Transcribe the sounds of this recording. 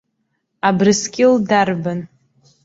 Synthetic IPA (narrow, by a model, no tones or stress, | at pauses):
abrɨskʲʼɪldarban